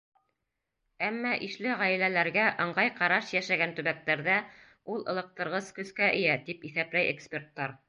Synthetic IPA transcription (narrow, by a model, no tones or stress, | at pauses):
æmːɑʔiʃlɘʁæjĭlælæɾɡæʔɤ̆ɴɢɑjqɑɾɑʃjæʃæɡænt̪ʉβæk̚t̪æɾðæ | ulˠɤ̆lˠɤ̆q̚t̪ɤ̆ɾʁɤskɵ̆skæʔɘ̆jæt̪ipiθæplæjekspʲert̪ːɑɾ